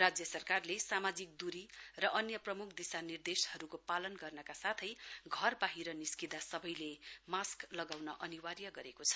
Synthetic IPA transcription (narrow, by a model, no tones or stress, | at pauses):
rad͡zjʌsʌrkarlesamad͡zik̚d̪uɾirʌʔʌnjʌprʌmukʰd̪isanird̪eshʌɾukopalʌnɡʌrnʌkasat̪ʰʌjɡʱʌrbaɦiɾʌniskid̪asʌbʌjlemasklʌɡawnʌʔʌniwarjʌɡʌɾekot͡sʰʌ̥